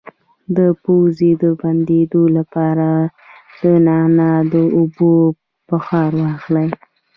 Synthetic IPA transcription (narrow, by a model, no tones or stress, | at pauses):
d̪əpowzed̪əband̪ed̪olapɑɾa | d̪̥ənɑnad̪əʊbo | pəxɑɾwɑxlaj